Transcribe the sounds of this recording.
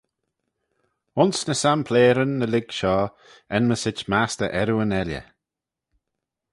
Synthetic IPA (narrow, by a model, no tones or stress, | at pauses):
ʊnsnəsampʰleːɾənːəlɪɡ̥ʃɔː | ɛnməsɪt͡ʃmast̪əʔɛɾuənɛljə̰